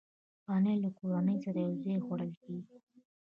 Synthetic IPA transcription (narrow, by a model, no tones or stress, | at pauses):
pɑnəjlakoɾɑnəjsaɾajawzɑjxwaɽəlkeɡi